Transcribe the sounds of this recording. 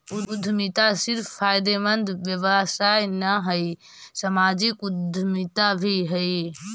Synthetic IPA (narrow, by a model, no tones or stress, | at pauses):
ʊʊd̪ʱmit̪asɪɾfʰpʰːaːɪd̪emə̃nd̪ʱʋjəʋəsaːjnəɦəi | səmaːd͡ʒɪkʊd̪ʱmɪt̪abʱiɦəi